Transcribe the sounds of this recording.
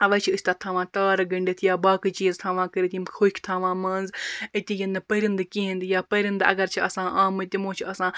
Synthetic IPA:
ɐʋɐːt͡ʃʰiɨsʲt̪aːt̪ʰaːʋãːt̪aːɾɡɐɳɖet̪ʰjaːbaːkit͡ʃiːzt̪ʰaːʋãːkɐɾit̪imxʰoːkʲʰt̪ʰaːʋãːmɐːnzət̪ijɐnɨpəɾʲənd̪ɨkĩɦĩnd̪jaːpəɾʲind̪ɐ̰ɡɐɾt͡ʃʰiɐsãːʔaːmɨt̪imõːt͡ʃʰiɐsãː

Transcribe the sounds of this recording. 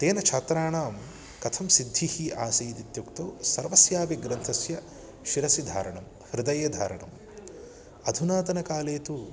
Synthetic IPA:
t̪eːnɐt͡ʃʰaːt̪ɾaːɳaːm | kɐt̪ʰɐmsid̪ʱːihiʔaːsiːd̪it̪jukt̪oːsɐɾʋɐsjaːʋiɡɾɐnt̪ʰɐsjɐ | ʃiɾɐsid̪ʱaːɾɐɳɐm | hɾɪd̪ɐjɐd̪ʱa̰ːɾɐɳɐ̰m | ɐd̪ʱunaːt̪ɐnɐkaːleːt̪u

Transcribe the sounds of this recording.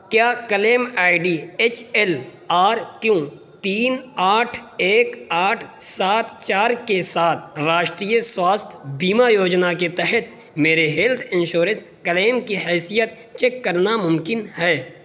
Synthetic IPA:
kjaːkəleːmaːɪɖiet͡ʃʰɛlaːɾkjõ | t̪iːnaːʈʰeːkaːʈʰsaːt̪t͡ʃaːɾkesaːt̪ʰɾaːʃʈɾiːjəswaːst̪ʰbiːmajoːd͡ʒnaket̪ɛɦət̪ | meːɾeɦeːlt̪ʰɪ̃nʃoːɾə̃s | kəleːmkiɦɛːsijət̪ | t͡ʃeːkːəɾnamʊmkɪnhɛː

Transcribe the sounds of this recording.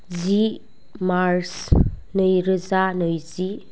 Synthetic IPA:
zi | maɾsnɯjɾɯzanɯjzi

